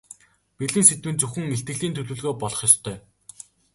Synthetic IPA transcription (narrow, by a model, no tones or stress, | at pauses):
peɮiːnset̪wɘ̆nt͡sɵxɘ̆ŋmeɬt̪ɡɘ̆ɣɮiːnt̪ʰɵɮŭːɮɣoːpɔɮɞ̆χjɔst̪ʰœː